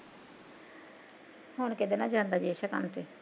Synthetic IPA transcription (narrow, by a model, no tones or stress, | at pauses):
honkɪd̪enaːd͡ʒaːnd̪aːd͡ʒiʃəka̰ːnt̪eː